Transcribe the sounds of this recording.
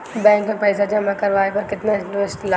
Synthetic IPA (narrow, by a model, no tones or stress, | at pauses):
bɛ̃ːŋkmapɛːsad͡ʒɐmakɐɾʋaːepɐɾkɪt̪naʈɪsʈla